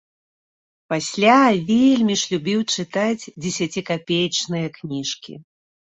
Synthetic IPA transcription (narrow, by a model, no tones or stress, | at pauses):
pasʲlʲavʲelʲmʲiʂlʲubʲiwt͡ʂɨt̪ad͡zʲd͡zʲɛsʲat͡sʲikapʲejt͡ʂnɨjɐknʲiʂkʲḭ